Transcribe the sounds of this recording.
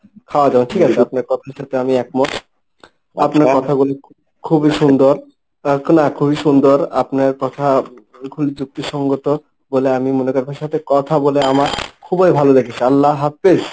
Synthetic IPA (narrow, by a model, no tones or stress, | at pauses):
kʰaoad͡ʑabonʈʰikat͡ɕʰeap̚naɾkɔt̪ʰaʃat̪ʰeamiɛk̚mot | apnaɾkɔt̪ʰaɡule | kʰubiʃund̪oɾ | knakʰubiʃund̪oɾapnaɾkɔt̪ʰa | kʰulid͡ʑuk̚t̪iʃɔŋɡot̪o | boleamimonekoɾbʱaʃat̪ʰekɔt̪ʰaboleamakʰubajbʱalod̪ekʰet͡ɕʰialːaɦafes